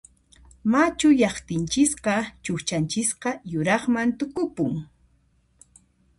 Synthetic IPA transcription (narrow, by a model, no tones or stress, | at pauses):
mat͡ʃʊʎɑχt̪ɪnt͡ʃɪsqɑt͡ʃʊxt͡ʃant͡ʃɪsqɑjʊɾɑχmant̪ʊkʊpʊŋ